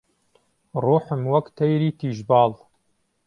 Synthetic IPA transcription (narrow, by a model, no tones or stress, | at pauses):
ruːħɨmwɐkt̪ʰɐjɾiːt̪ʰiːʒbɑːl